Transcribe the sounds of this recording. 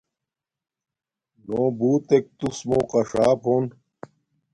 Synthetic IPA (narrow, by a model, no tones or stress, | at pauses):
noːbuːt̪ek̚t̪usmõːqɐʂaːpʰoːn